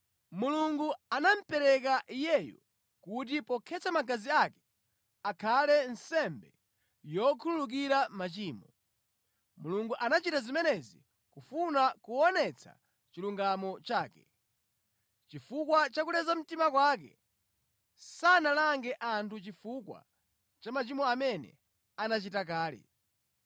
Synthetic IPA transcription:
muluŋɡuanam̩pɛɾɛkaʔijɛjɔ̰ | kut̬ipɔkʰɛt͡samaɡaziakɛ̥ | akʰalɛnsɛmbɛ | jɔkʰululuk̬iɾamat͡ʃiːmɔ | muluŋɡuʔanat͡ʃitazimɛnɛzi | kufunakuɔnɛt͡sʰa̰ | t͡ʃiluŋɡamɔt͡ʃaːkɛ̥ | t͡ʃifukwat͡ʃakulɛzam̩timakwaːk̬ɛ̰ | sanalaŋɡɛʔantʰut͡ʃifukwa̰ | t͡ʃamat͡ʃimɔamɛnɛ̰ | anat͡ʃitak̬aːlɛ̰

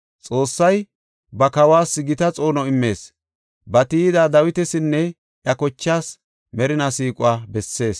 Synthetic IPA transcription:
t͡sʼo̞ːsːɐj | bɐkɐwaːsːɪɡɪt̪ɐt͡sʼo̞ːnɔɪmːe̞ːs | bɐt̪ɪɪd̪aːd̪ɐwɪt̪ɛsɪnːɛ | ʔjɐkɔt͡ʃːaːs | mɛɾɪnɐsiːkʼʊaːbɛsːe̞ːs

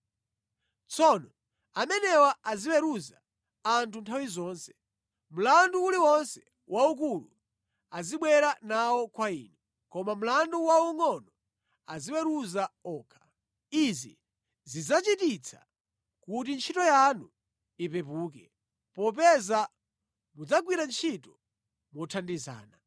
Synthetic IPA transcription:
t͡sʰɔnɔ | amɛnɛwaaziwɛɾuzaː | ntʰuntʰawizɔːnsɛ̥ | m̩landuːliwɔnsɛ | wʔauk̬ulṵ | aziɓwɛɾanawɔkwaḭːnɛ | kɔmam̩landuwauŋɔnɔ | aziwɛɾuzaɔːkʰḁ | izi | zid͡zat͡ʃitit͡sʰa̰ | kut̬int͡ʃʰitɔjanu | ipɛpuːkɛ | pɔp̬ɛza | mud͡zaɡwiɾant͡ʃʰitɔ | mwɔtʰandiza̰ːna

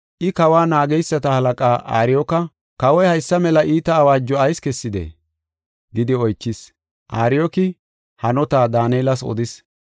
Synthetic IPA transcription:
ʔɪkɐwaːnaːɡɛjsːɐt̪ɐhɐlɐkʼaːʔa̰ːɾɪjɔkɐ | kɐwɔjhɐjsːɐmɛlɐʔiːt̪ɐːwaːd͡ʒːɔɐjskɛsːɪd̪ḛː | ɡɪd̪ɪɔjt͡ʃːɪs | ʔaːɾɪjɔkɪ | hɐnɔt̪aːd̪aːnɛːlɐsɔ̰d̪ɪs

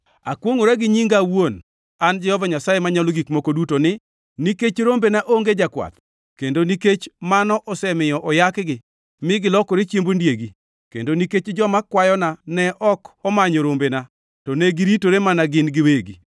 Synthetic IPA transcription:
a̰kwoŋoɾaɡɪɲiŋɡawon | and͡ʒɛhɔvaɲasajemaɲaloɡikmokodutonɪ | niket͡ʃɾombenaʔoŋɡed͡ʒakwa̰t̪̚ | kendoniket͡ʃmanɔʔɔsɛmɪjɔʔɔjakɡɪ | mɪɡɪlɔkoɾet͡ʃjembondjeɡi | kḛndoniket͡ʃd͡ʒɔmakwajɔnanɛʔɔkɔmaɲoɾombena | tɔneɡɪɾitoɾemanaɡɪnɡɪweɡi

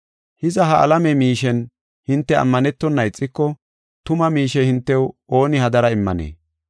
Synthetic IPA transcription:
hɪzɐɦɐʔɐ̰lɐmɛmiːʃɛn | hɪnt̪ːɛɐ̰mːɐnɛt̪ːɔnːɐɪt͡sʼːɪkːɔ | t̪ʊmɐmiːʃɛhɪnt̪ːɛwo̞ːnɪhɐd̪ɐɾɐɪmːɐ̰nḛː

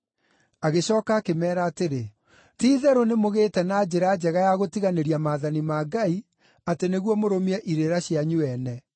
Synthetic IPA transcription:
aɣeɕɔːkaːkemɛːɾaːteɾe | tiːðɛɾonemoɣeːtɛnaːd͡ʑeɾad͡ʑɛɣajaɣotiɣaneɾiamaːðanimaɡai | ateneɣwɔmoɾomiɛʔiɾeɾaɕjaɲuɛnɛ

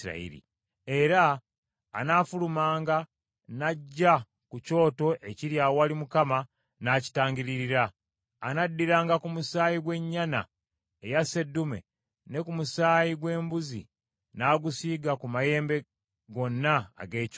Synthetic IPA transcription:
a̰ḭɾḭ | e̞ɾa̰ː | naːfulumaːŋɡa | naɟːa | kuco̞ːto̞ʔe̞ciɾjaːwalimukama | naːci̥taːŋɡiɾiɾiɾaː | nadːiɾaːŋɡakumusaːjiɡwe̞ɲːana̰ | ejase̞dːumḛ | ne̞kumusaːjiɡwe̞ːmbuzḭ | naːɡusiːɡakumaje̞ːmbe̞ | ɡo̞nːa̰ːɡe̞ː

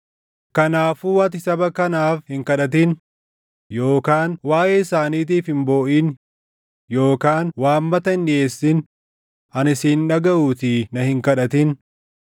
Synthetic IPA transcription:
kɐnaːfuːwɐt̪̬ɪsɐbɐkɐnaːfhɪŋkɐᶑɐt̪̬ɪn | jo̞ːkaːnwaːʔeːɪsaːniːt̪̬iːfhɪmbo̞ːʔiːn | jo̞ːkaːnwaːmːɐt̪ɐɪnːɪeːsːɪn | ɐnɪsiːnᶑɐɡɐʔuːt̪inɐhɪŋkɐᶑɐt̪ɪn

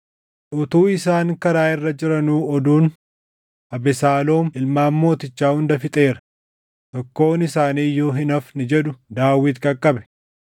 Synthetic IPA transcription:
ʔʊt̪uːɪsaːŋkɐɾaːʔɪrːɐd͡ʒɪɾɐnuːɔd̪uːn | ɐbɛsaːlo̞ːmɪlmaːmːo̞ːt̪ɪt͡ʃːaːhʊnd̪ɐfɪt̪ʼe̞ːɾɐ̥ | t̪ɔkːo̞ːnɪsaːniːjːoːɦɪnɐfnɪd͡ʒɛᶑʊd̪aːwːɪt̪kʼɐkʼːɐbɛ̥

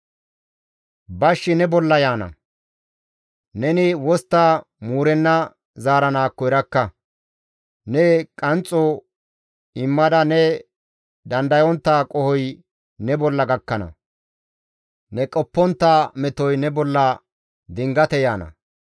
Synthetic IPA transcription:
bɐʃːɪnɛbɔlːɐjaːnɐ̰ | nɛnɪwɔst̪ːa | muːɾɛnːɐ | zaːɾɐnaːkːɔɪɾɐkːɐ | nɛkʼɐnt͡sʼːɔ | ɪmːɐd̪ɐnɛ | d̪ɐnd̪ɐjɔnt̪ːaːkʼɔhɔj | nɛbɔlːɐɡɐkːɐnɐ̰ | nɛkʼɔpːɔnt̪ːaːmɛt̪ɔjnɛbɔlːɐ | d̪ɪŋɡɐt̪ɛjaːnɐ̰

